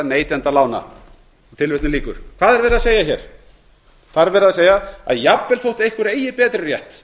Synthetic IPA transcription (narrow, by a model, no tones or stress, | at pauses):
neːjt̪ɛnt̪alaːwna̰ | ɔt̪ʰɪlvɪht̪nɪliːkʏɾ̥kʰv̥aːðɛɾvɛːɾɪðaseːjaçɛɾ̥ | θaðɾvɛːɾɪðaðseːjaa̰ðjapvɛlθowht̪ejhkvʏɾeːjɪpɛːt̪ɾɪrjɛht̪